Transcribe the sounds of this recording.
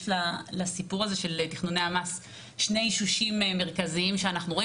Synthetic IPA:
lalasipuʁazeʃe̞lt̪iχnunejamas | ʃne̞jʃuʃimme̞ʁkaziimʃeanaχnuʁo

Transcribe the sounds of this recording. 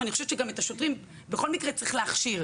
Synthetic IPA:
anixoʃevt͡ʃeɡametaʃotʁim | beχo̞lmikʁet͡sʁiχleaχʃiʁ

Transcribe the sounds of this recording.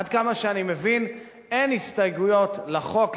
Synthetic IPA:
d̪kamaʃeanimevin | enhist̪ajɡujo̞tlaχo̞k

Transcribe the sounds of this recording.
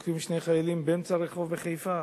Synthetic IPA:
kimʃnejχajalimbeemt͡saɾeχo̞vbeχejfa

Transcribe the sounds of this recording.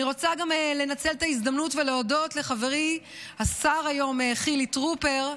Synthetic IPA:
iʁo̞t͡saɡamele̞nat͡seltais̬d̪amnutveleodo̞tle̞χave̞ʁi | asaʁajo̞meχilitʁupe̞ʁ

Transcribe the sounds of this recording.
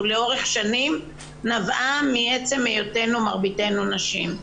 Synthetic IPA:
leo̞ʁe̞χʃanim | navamiet͡se̞mejote̞numaʁbite̞nunaʃim

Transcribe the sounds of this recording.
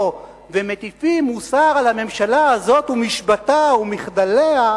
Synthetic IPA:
vemet̪ifimːusaʁalhame̞mʃalaazo̞t̪umiʃbataumiχd̪alea

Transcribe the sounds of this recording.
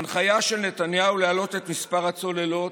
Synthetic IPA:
nχajaʃe̞lne̞t̪anjaulealo̞t̪e̞t̪mispaʁat͡so̞le̞lo̞t

